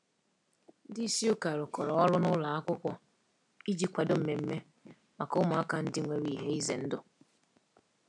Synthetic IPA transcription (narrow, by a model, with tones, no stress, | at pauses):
di˦si˦ʊ˦ka˨ɾʊ˨kɔ˨ɾɔ˨ɔ˦lʊ˦nʊ˦la˨a˦kʷʊ˦kʷɔ˦ | i˦d͡ʒi˦kʷa˨dʊ˦m̩˨me˨m̩˦me˦ | ma˨kʊ˦mʊ˨a˦ka˨n̩˦dɪ˦ŋʷe˨ɾi˦˨ɦe˦i˦ze˨n̩˦dʊ˦